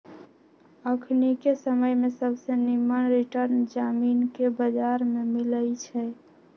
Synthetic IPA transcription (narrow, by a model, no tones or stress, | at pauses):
əkʰnikesəməjmẽsəbsenimənɾiʈəɾnd͡ʒaːmiːnkebəd͡ʒaɾmemɪləjt͡ʃʰɛ